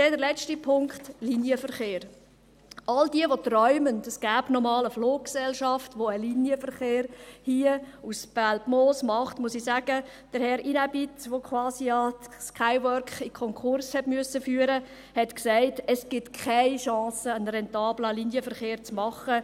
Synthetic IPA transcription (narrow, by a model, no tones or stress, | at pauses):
dɛdəɾlɛt͡stipʰʊŋkχtlinjəfəɾχeːɾ | ʔɑldiəʋotrɔʏməndəsɡ̥æːbnɔmɑːləfloːk̚ksɛlʃɑftʋoəlinjəfəɾχeːɾhiːəusb̥ælpmoːsmɑχtmʊsisæɡ̥ə | d̥əɾhɛɾinæbitʋokʰwɑːsiɑskʰaɪʋœɾkχikʰɔŋkχʊɾshɛtmyəsəfyːəɾə | hɛtksaɪtɛsɡ̥ɪtkʰaɪʃɑ̃ːsəənɾɛntɑːbləlinjəfəɾχeːɾt͡smɑχə